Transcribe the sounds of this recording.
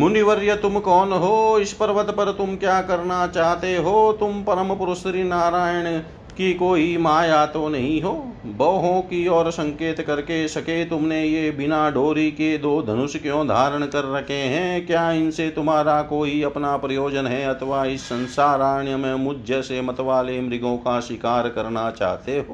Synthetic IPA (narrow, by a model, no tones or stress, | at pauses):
mʊnɪʋəɾjət̪ʊmkɔːnɦoːɪspɐɾʋət̪pɐɾt̪ʊmkjaːkɐɾnat͡ʃaːɦt̪eɦoːt̪ʊmpɐɾəmpʊɾʊst̪ɾinaːɾaːjəɽ̃ | kikoːimaːjaːt̪onɐɦĩɦoːbɔːɦõkiɔːɾsɐ̃ŋkeːt̪kɐɾkesɐket̪ʊmnẽjebɪnaɖoːɾiked̪oːd̪ʱɐnʊʃkjõd̪ʱaːɾəɽ̃kɐɾːɐkʰeɦɛ̃kjaːɪnset̪ʊmɦaːɾakoːiɐpnapɾɐjoːd͡ʒənɦɛɐt̪ʰəʋaɪsːɐ̃nsaːɾaːɳjəmẽmʊd͡ʒd͡ʒɛːsemɐt̪ʋaːlemɾɪɡõkaʃɪkaːɾkɐɾnat͡ʃa̰ːɦt̪eɦoː